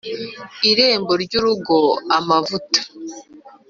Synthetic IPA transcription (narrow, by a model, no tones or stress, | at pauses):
iɾe̞ːmbo̞ɾɟuɾuɡo̞amavutḁ